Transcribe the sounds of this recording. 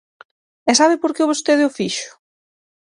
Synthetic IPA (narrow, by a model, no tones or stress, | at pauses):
ɛsaβɪpoɾkeβost̪eðɪʊfiʃʊ̥